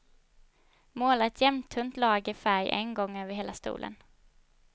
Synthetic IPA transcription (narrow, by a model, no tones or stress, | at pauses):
moːlaɛt̪ʰjɛmt̪ʰɵnt̪lɑːɡɪfæɾjʔɛ̰nɡɔŋːøːvəɾɦeːlast̪ṵːlʔə̰n